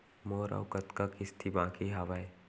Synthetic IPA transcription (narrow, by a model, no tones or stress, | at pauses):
moːɾa̰wkɐt̪kakist̪ʰibãːkiɦaʋae